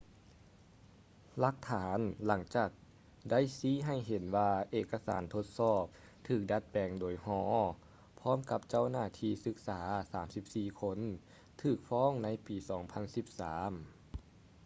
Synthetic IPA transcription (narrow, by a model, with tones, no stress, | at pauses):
la˧˦k̚t̪ʰaː˩˦nla˩˦ŋt͡ɕaː˨˩k̚ | da˥˨jsiː˧˥˦ɦa˧˩jɦe˨˦nwaː˧ʔeː˧˩kːa˧sa̰ː˩˦nt̪ʰo˧t̪̚sɔː˧˩p̚ | t̪ʰɯː˨˩k̚da˧˥t̪̚pɛː˨˩ŋdoː˩jhɔː˧˩˦ | pʰɔː˧˥˨mka˧˥p̚t͡ɕa˥˨wnaː˧˩t̪ʰiː˧˥sɯ˧˦k̚saː˩˦saː˩˦msi˧˦p̚siː˨˩kʰo˧˥n | t̪ʰɯː˨˩k̚fɔː˧˥˨ŋna˧˥˨jpiː˨˩sɔː˩˦ŋpʰa˧˥nsi˧˦p̚saː˩˦m